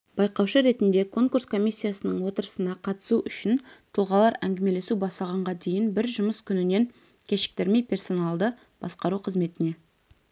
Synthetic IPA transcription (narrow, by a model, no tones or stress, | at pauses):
b̥ɑjqɑwʃəɾe̞t̪ɪnd̪e̞kʰo̞ŋkuɾskʰo̞mʲijsʲːijasənəɴwo̞t̪əɾəsənɑqʰɑt̪ə̥suʔʏʃɪnt̪ʰʊlˠʁɑlˠɑɾæŋɡʲɪme̞le̞subɑst̪ɑʁɑɴʁɑd̪e̞jɪnbɪɾʒʊməskʲʰʏnɪne̞ŋ | kʲʰe̞ʃɪ̥k̚t̪eɾme̞jpʰʲe̞rso̞nalˠd̪ə | b̥ɑsqɑɾuqʰəzme̞t̪ɪne̞